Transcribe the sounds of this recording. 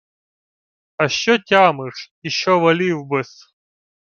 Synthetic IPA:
ɐɕːɔtʲamɨʂjɪɕːɔvɐlʲiwbɨs

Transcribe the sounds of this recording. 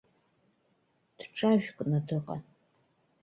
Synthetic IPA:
d̥ʈ͡ʂʼaʒᶣkʷʼnɐdɨqʼɐ̰

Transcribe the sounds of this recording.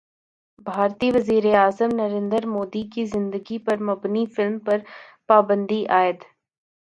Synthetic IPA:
bʱaːɾt̪iʋɐziːɾeaːzəmnɐɾẽːnd̪əɾmoːd̪ikizɪ̃nd̪əɡipɐɾmɐbnifɪlmpɐɾpaːbə̃nd̪iʔaːɪət̪

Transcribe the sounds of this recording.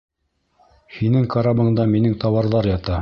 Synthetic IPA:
hinɘŋkaɾabɤ̆ɴd̪ɑminɘŋt̪ɑwɑɾðɑɾjɑt̪ɑ

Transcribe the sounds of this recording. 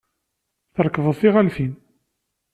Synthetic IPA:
θəɾˤkəvəðˤθiʁælfin

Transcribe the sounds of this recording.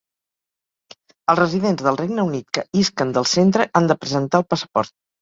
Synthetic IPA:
əlˠzrəziðenzðəlˠrejɡnəunit̪kəiskənd̪əlˠsent̪ɾəʔand̪əpɾəzənt̪aəlˠpəsə̥pɔ̰ɾt̪̚

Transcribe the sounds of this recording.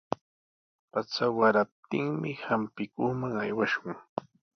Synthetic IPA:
pat͡sawaɾap̚t̪ɪŋmɪhampɪkʊχmaŋajwaʃʊŋ

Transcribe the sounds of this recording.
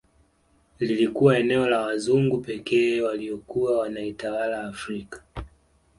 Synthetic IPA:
lilikuwaɛnɛɔlawazuŋɡupɛkɛːwaliɔkuawanaitawalaːfɾikḁ

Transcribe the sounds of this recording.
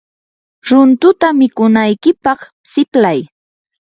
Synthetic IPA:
ɾʊnt̪ʊt̪amɪkʊnajkɪpɑχ | sɪplaj

